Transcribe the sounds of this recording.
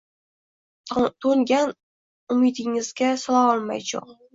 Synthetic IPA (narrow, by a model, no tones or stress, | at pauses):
t̪ʰoŋɡʲan | ʊmɪd̪ɪŋɪz̥ɡʲasɒlˠaɒlˠma̰jt͡ʃʰʊ̰